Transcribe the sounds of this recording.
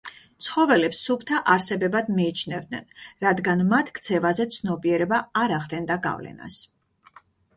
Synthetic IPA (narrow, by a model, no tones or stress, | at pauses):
t̪sʰχɔvɛlɛpsːupʰt̪ʰaʔaɾsɛbɛbad̪miːt͡ʃʰnɛvd̪̚nɛ̰nɾad̪ɡanmat̪ʰkʰt̪sʰɛvazɛt̪sʰnɔbiɛɾɛbaaɾaʁd̪ɛnd̪aɡa̰vlɛ̰na̰s